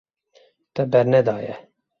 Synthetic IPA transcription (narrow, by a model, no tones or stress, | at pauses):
t̪ɛbɛɾnɛd̪ɑːjɛ̰